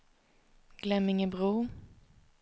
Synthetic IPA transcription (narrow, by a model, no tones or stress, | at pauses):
ɡ̥lɛmːɪŋɪbʁuː